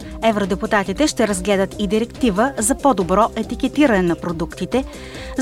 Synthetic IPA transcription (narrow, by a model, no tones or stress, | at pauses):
ɛvɾod̪ɛput̪at̪it̪ɛʃt̪ɛɾɐzɡlɛd̪ət̪id̪iɾɛkt̪ivəzɐpod̪obɾɔʔɛt̪ik̟ɛt̪iɾənɛnɐpɾod̪ukt̪it̪ɛ | z